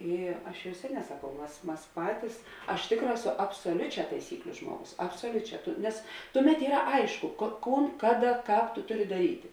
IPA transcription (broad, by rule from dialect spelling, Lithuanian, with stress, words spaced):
ˈiː ˈɐʃ jɛʊ ˈsʲæːˌnʲɛː sɐˈkɐʊ ˈmɐs ˈmɐs ˈpɑːtʲɪs ɐʃ ˈtʲeːkˌrɑː ˈæːˌsoː ɐpsoːˈlʲʊˌt͡ʃʲæː tɐɪˈsʲiːklʲʊ ˈʒmuɔˌɡʊs ɐpsoːˈlʲʊˌt͡ʃʲæː ˈtʊ nʲɛs ˈtʊˌmʲɛt ˈiːrɐ ˈɐɪʃkʊ koː ˈkuːn ˈkɑːˌdɐ ˈkɑːp tʊ ˈtʊˌrʲɪ dɐˈrʲiːtʲɪ